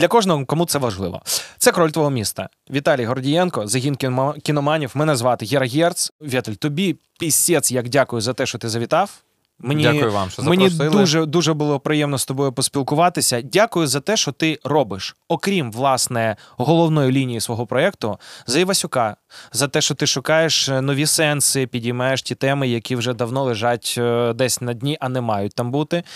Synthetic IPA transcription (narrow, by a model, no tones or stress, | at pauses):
d̪lʲɐkɔʒnɔɦɔkɔmut̪sɛʋɐʒlˠɪ̰ʋɔ̰t̪sɛkɾɔlʲt̪ʋɔɦɔmʲist̪ɐ̰ | ʋʲit̪ɑlʲijɦɔrdʲijɛnkɔzɐɦʲinkʲkʲɪnɔmɑnʲiwmɛnɛzʋɑt̪ɪɦʲiɾɐɦʲɛrt̪sʋʲɛt̪ɐlʲt̪ɔbʲi | pʲisʲɛt̪sjɐkdʲakʊjʊzɐt̪ɛʃt͡ʃɔt̪ɪzɐʋʲit̪ɑw | menʲiaʊjʊʋɑ̰mʃmenʲidd̪uʒɛd̪uʒɛbʊlˠɔpɾɪjɛmnɔst̪ɔbɔjʊpɔsʲpʲilˠkʊʋɑt̪ɪsʲɐdʲakʊjʊzɐt̪ɛʃt͡ʃɔt̪ɪrɔbɪʃɔkɾʲimʋlˠɑsnɛɦɔlˠɔwnɔjilʲinʲijisʋɔɦɔpɾɔɛk̚t̪ʊzɐjiʋɐsʲʊkɑzɐt̪ɛʃt͡ʃɔt̪ɪʃʊkɑjeʃnɔʋʲisɛnsɪpʲidʲijmɑjeʃtʲit̪ɛmɪjɐkʲiwʒɛd̪ɐwnɔlˠɪʒɑtʲd̪ɛsʲnɐdʲnʲiʔɐnɛmɑjʊt̚ʲt̪ɑmbut̪ɪ